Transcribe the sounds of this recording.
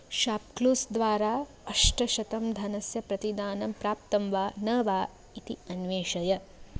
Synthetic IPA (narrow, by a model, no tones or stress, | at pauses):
ʃaːp̚kluːsd̪ʋaːɾaː | ɐʂʈɐʃɐt̪ɐmd̪ʱɐnɐsjɐpɾɐt̪id̪aːnɐmpɾaːpt̪ɐmʋaːnɐːʋaː | it̪iɐnʋeːʃɐjɐ